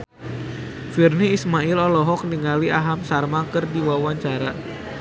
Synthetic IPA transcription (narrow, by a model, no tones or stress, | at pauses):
firniːsmaɪlɔlɔɦɔk̚niŋaliʔaɦamsarmakərdiwawaɲt͡ʃaɾa